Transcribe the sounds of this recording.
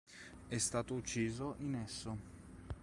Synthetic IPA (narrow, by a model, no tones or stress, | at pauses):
ɛst̪aːt̪out͡ʃːiːzoʔinɛsːo